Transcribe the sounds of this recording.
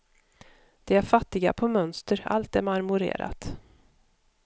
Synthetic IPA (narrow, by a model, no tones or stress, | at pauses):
d̪̥ɛæɾfat̪ːɪɡa̰pʰɔmœnst̪əɾa̰lt̪ɛɾmaɾmɵɾḛːɾa̰t̪